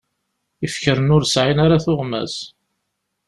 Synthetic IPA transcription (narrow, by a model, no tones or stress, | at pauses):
ifçəɾənʊɾsʕinaɾaθʊʁmæ̰s